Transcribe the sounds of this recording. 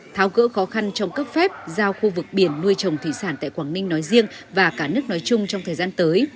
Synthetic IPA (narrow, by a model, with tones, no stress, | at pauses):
t̪ʰaː˨˦wɣə̰˧˥xɔ˨˦xa˧nt͡ɕɔ˧wŋ͡mkə˦˥p̚fɛ˦˥p̚zaː˧wxu˧vɨ˨˩k̚ɓi˧˩ənːu˧əjt͡ɕə˨˩wŋ͡mt̪ʰi˧˩saː˧˩nt̪a̰ː˧˨jkwaː˧˩ŋnï˧ŋ̟nɔ˨˦jzi˧əŋvaː˨˩kaː˧˩nɨ˦˥ək̚nɔ˨˦jt͡ɕʊ˧ŋ͡mt͡ɕɔ˧wŋ͡mt̪ʰəː˨˩zaː˧nt̪əː˨˦j